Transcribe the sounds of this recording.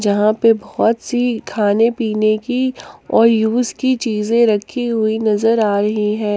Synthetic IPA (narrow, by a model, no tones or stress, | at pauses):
d͡ʒɐɦãpebɔːɔt̪sikʰaːnepiːnekiɔːɾjuːzkit͡ʃiːzẽɾɐkʰːiɦʊinɐzəɾaːɾɐɦiɦɛ̃ː